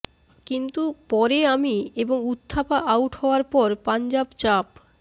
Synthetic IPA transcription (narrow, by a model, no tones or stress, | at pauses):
kint̪upɔɾeamieboŋut̪ʰːapaʔawʈhɔoaɾpɔɾpand͡ʑabt͡ɕap